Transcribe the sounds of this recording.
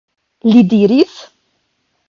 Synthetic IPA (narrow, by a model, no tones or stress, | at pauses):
lid̪iɾiθ